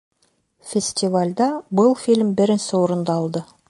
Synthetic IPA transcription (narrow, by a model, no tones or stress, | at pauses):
fʲesʲt̪ivalʲd̪ɑbəlˠfilʲmbɪɾɪnsɪwoɾənd̪ɑːlˠd̪ə